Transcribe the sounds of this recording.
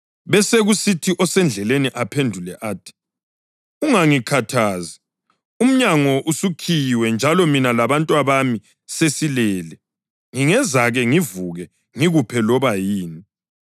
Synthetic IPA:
βɛseɣusitʰiʔɔsɛnd͡ɮʱɛleniʔapʰendʱulɛʔaːtʰi̥ | uŋaŋikʰatʰaːzi | um̩ɲaŋɔʔusukʰijwɛnd͡ʒʱalɔminalaβantʼwaβami | sesilɛːlɛ | ŋiŋɛzaɣɛŋivuɣɛ | ŋiɣupʰɛlɔβajiːni

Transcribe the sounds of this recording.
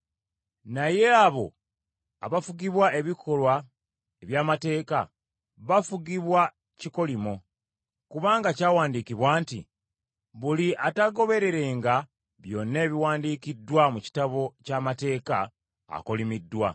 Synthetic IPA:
naje̞aβo̞ | a̰βafuɡiβwae̞βikʰo̞lwa | eβjaːmate̞ːka̰ | βafuɡiβwa | ciko̞limo | kuβaːŋɡacaːwaːndiːkiβwaːntḭ | βuliʔataɡo̞βe̞ɾe̞ɾe̞ːŋɡa | βjo̞nːe̞ːβiwaːndiːkidːwamuci̥taβo̞camate̞ːka̰ː | ko̞limidːwa̰

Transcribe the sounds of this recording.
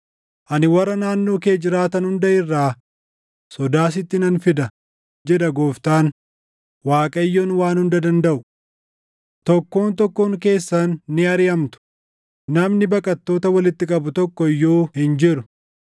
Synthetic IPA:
ʔɐnɪwɐrːɐnaːnːo̞ːke̞ːd͡ʒɪɾaːt̪ɐnhʊnd̪ɐɪrːaː | sɔd̪aːs̬ɪt̪ːɪnɐnfɪd̪ɐ | d͡ʒɛᶑ̪ɐɡoːft̪aːn | waːkʼɐɪjːoːnwaːnhʊnd̪ɐd̪ɐnd̪ɐʔʊ | t̪ɔkːoːnt̪ɔkːoːŋke̞ːsːɐnːɪɐɾɪjɐmt̪ʊ̥ | nɐmnɪbɐkʼɐt̪ːoːt̪ɐwɐlɪt̪ːɪkʼɐbʊt̪ɔkːɔɪjːoːhɪnd͡ʒɪɾʊ̥

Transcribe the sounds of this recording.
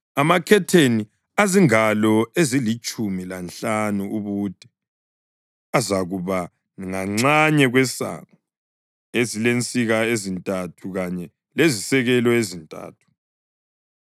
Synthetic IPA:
amakʰɛtʰeni | aziŋalɔezilit͡ʃʼumilanɬanuuβud̥ʱʼɛ | azaɣuβa | ŋaŋ͡ǀaɲɛɣwɛsa̰ŋa | ezilent͡sʼiɣaezintʼatʰuɣaɲɛ | lezisɛɣɛlɔezintʼa̰ːtʰu̥

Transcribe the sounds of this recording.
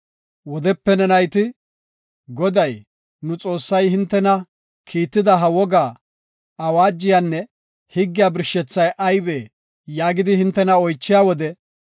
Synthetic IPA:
wɔd̪ɛpːɛnɛnɐjt̪ɪ | ɡɔd̪ɐj | nʊt͡sʼo̞ːsːɐjhɪnt̪ːɛnɐ | kʰiːt̪ːɪd̪ɐɦɐwɔɡaː | ɐwaːd͡ʒːɪjanːɛ | hɪɡːɪjaːbɪɾʃːɛt͡sːɐjʔɐjbeː | jaːɡɪd̪ɪhɪnt̪ːɛnɐɔjt͡ʃːɪjaːwɔd̪ɛ

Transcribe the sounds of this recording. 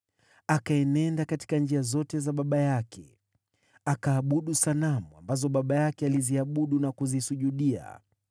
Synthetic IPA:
akaɛnɛndakati̥kand͡ʒiazɔtɛzaɓaɓajakʰɛ̰ | akaːɓuɗusalamua̰mbazɔɓaɓajakɛaliziaɓuɗunakuzisuʄuɗia̰

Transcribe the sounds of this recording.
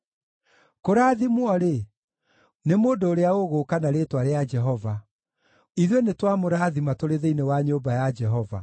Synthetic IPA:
koɾaːðimwɔɾe | nemoːndoːɾeaoɣoːkanaɾetwaɾead͡ʒɛɦɔva | iðwenetwamoɾaːðimatoɾeðeinewaɲobajad͡ʒɛɦɔva̰

